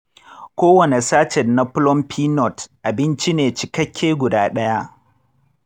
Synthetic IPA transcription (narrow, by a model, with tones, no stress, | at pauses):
kʷoː˦wɐ˨ne˨saː˦t͡ʃɛ˨nːa˦ɸʊ˦lɔ˦mpʰiː˦nɔ˨tʔa˨bɪ˦nt͡ʃi˦neː˨t͡ʃɪ˨kɐ˦kʲʰːeː˦ɡʷʊ˨daː˦ɗɐ˦ja˦ʔ